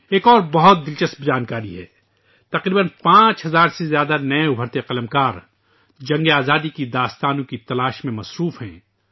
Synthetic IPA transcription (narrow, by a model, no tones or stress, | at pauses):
eːkɔːɾbɐɦʊt̪̚d̪ɪlt͡ʃɐsbd͡ʒaːnkaːɾiɦɛ̰ː | t̪ɐqɾiːbənpãːt͡ʃɦɐzaːɾsezjaːd̪anɐeʊbʱəɾt̪eqɐləmkaːɾ | d͡ʒɐ̃ŋɡeaːzaːd̪ikid̪aːst̪aːnõkit̪ɐlaːʃmẽmɐsɾuːfɦɛ̰̃ː